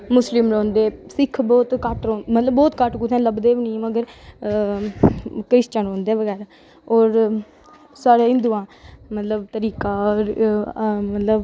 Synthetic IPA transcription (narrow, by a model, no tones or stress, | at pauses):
mʊslɪmɾõːnd̪eːsɪkʰbɔːt̪kəʈɾoːmət̪ləbːɔːt̪kəʈkut̪ʰɛ̃ːləbd̪eːʋinĩːməɡəɾ | kɾɪst͡ʃəɳoːnd̪eːʋəɡɛːɾaː | ɔːɾ | saːɽeːɦɪ̃nd̪uːãːmət̪ləbt̪əɾiːkaːɾ | mət̪ləb